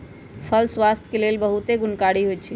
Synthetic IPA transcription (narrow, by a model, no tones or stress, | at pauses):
pʰəlswast̪ʰkelelbəɦut̪eɡunkaɽiɦojt̪̚ːt͡ʃʰi